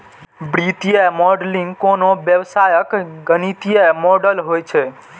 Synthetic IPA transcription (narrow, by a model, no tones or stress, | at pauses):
bɾit̪ijəmɔɖliŋɡkonoʋjəʋsajəkɡənit̪ijəmɔɖəlɦojt͡ʃʰe